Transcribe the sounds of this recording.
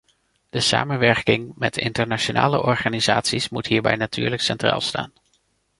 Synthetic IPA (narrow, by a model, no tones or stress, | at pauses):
d̥əsa̰ːmənʋɛɹkɪŋmɛtɪ̰ntəɹnaʃona̰ːlə̰ʔɔɹχaːnizaːtsismutɦiːɹbɛ̰jnatʰyːɹləksɛntra̰ːlˠsta̰ːn